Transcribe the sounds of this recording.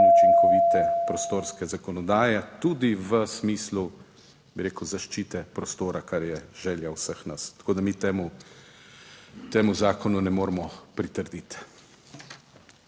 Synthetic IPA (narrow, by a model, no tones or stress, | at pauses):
ut͡ʃiŋkɔʋiːt̪ɛpɾɔst̪oːɾskɛzakɔnɔd̪aːjɛt̪ud̪iʋəsmiːslu | biɾeːkəwzaʃt͡ʃiːt̪ɛpɾɔst̪oːɾakaɾjɛʒ̥ɛːljawsəxnast̪ḁkoːd̪amit̪eːmu | t̪eːmuzaːkɔnunɛmoːɾmɔpɾit̪əɾd̪it̪